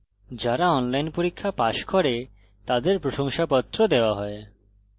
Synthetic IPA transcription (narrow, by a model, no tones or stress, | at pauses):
d͡ʑaɾaɔnlajnpoɾikʰːapaʃkɔɾe | t̪ad̪eɾpɾoʃoŋʃapɔt̪ːɾod̪eoaɦɔe